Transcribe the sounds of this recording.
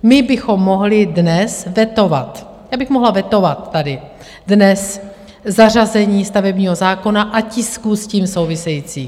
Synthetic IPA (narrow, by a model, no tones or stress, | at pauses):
mɪbɪxo̞mːo̞ɦlɪdnɛsvjɛt̪ova̰t̪ | jaːbɪxmoɦlavjɛt̪o̞vat̪ːadɪ | dnɛs | zar̝azɛɲiːst̪avɛbɲiːɦo̞zaːko̞naʔacɪskuːsciːmsowvɪsɛjiːt͡siː